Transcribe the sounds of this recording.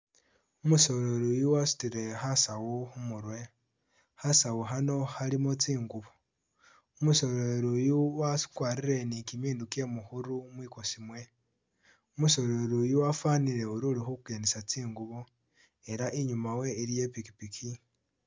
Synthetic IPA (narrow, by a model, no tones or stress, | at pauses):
umuso̞ɾeɾujuwasi̥tiɾe̞xasawuxumuɾwe̞ | hasawuɦano̞halimot͡siːŋɡuβo | umuso̞eɾujuwasi̥kwaːɾiɾe̞nikimiːndukje̞muxuɾumwiːko̞simwe̞ | umuso̞ɾoɾujuwafaːniɾe̞uɾulixukukenesat͡siːŋɡuβo | e̞ɾaʔiɲumawe̞iɾije̞piki̥pikʰi